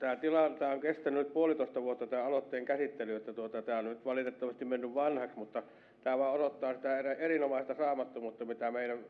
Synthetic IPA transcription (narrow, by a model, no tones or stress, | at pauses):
t̪æːt̪ilɑt̪æːoŋkest̪ænynyt̪̚puolit̪oˑest̪ɑʋuot̪ːɑt̪æːɑlot̪ːeːŋkæsit̪ːelyet̪ːæt̪uot̪ɑt̪æːonnyt̪ʋɑlit̪et̪ːɑʋɑst̪immenːyʋʋɑnhɑksmut̪ːɑ | t̪æːʋɑˑeoɾot̪ːɑːsit̪æeræerinomɑˑest̪ɑsɑːmɑt̪ːumut̪ːɑmit̪æmeilæn